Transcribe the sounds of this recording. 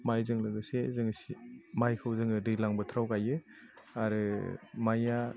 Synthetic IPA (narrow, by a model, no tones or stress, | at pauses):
majzɯŋlɯɡɯsezɯŋsimajkʰɯwzɯŋɯdɯjlaŋbɯtʰɾawkajɯ | aɾɯmaja